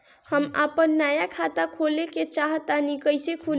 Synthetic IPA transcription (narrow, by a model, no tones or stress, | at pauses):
həma̰pənːajakʰat̪akʰoleket͡ʃaɦt̪anikəjsekʰul